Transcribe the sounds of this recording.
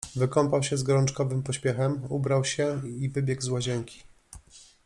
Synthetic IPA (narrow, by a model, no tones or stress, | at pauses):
vɘkɔmpawɕɛzɡɔɾɔnt͡ʂkɔvɘmpɔɕpʲjɛxɛmubɾawɕɛivɘbʲjɛɡzwɔʑɛŋkʲi̥